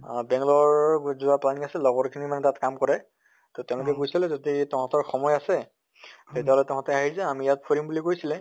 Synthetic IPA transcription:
bɛŋlɔɹzʊaplaniasɛlɔɡɔɹkʰinimanɛtatkamkɔɹɛ | tɔtɛ̃ʊ̃lʊkɛkojsilɛ̃zoditɛhatɔɹxɔmɔjasɛ | tetiaɦɔlɛtɛ̃ɦatɛaɦizɛamijat̚pʰoɹimbulikojsilɛ̃

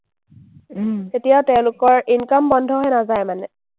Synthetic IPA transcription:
etijaʊtɛʊ̃lʊkɔɹinkɔmbɔndʱɔɦɔjnazajmanɛ

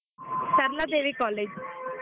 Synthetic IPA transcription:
səɾlad̪eːʋikɔːleːd͡ʒ

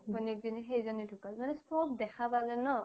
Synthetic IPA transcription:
kʰɔnik̚diniɦejzɔnidʰʱukalmanɛspɔp̚dɛkʰabazɛnɔ

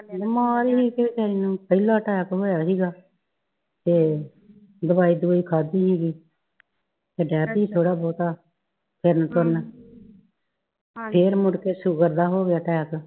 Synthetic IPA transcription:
bəmaːɾiːɦiːket͡ʃaːɾiːnũːpəilaːʈɛːkɦoːjaːɦiːɡaː | t̪eː | d̪əbaːiːd̪uiːkʰaːd̪iːɦiːɡiː | t̪eːɖɛːpiːt̪ʰoːɽaːbɔːt̪aː | pʰɪɾnt̪əɾn | pʰeːɾmʊɽkeːsuːɡəɾd̪aːɦoːɡɪjaːʈɛːk

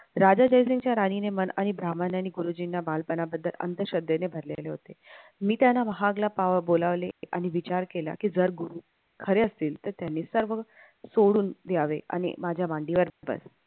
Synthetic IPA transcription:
ɾad͡ʑad͡ʑəjsiŋɡt͡ɕjaɾaninemənaɽ̃ibɾamanaɽiɡuɾud͡ʑinːabalpənabəd̪ːələ̰nt̪əɕəd̪enebʱəɾlḛleɦot̪emiːt̪janːaʋəɦaɡlapaʋbolaʋleʔa̰ñiʋit͡ɕaɾkela̰kiːd͡zəɾɡuɾu | kʰəɾeəst̪iːlt̪əɾt̪janːisəɾʋə | soɽuːnd̪jaʋea̰ɽ̃ḭmad͡ʑʱjaʋaɳɖiʋəɾbə̰s

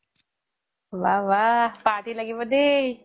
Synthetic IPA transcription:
ʋaʋapaːʈilaɡibəd̪e

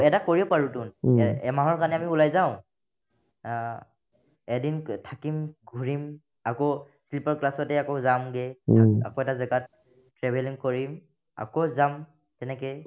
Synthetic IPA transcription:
ɛtakoɹipaɹutʊnɛɛmaɦɔɹkanɛamiulajzaʊ̃ | ɛdintʰakimɡʱuɹim | ako | slipɔɹklasɔtɛakozamɡɛaa̰koɛtazɛɡat̚ | tɹɛbʱɛlinkoɹim | a̰kozam | tɛnɛkɛj

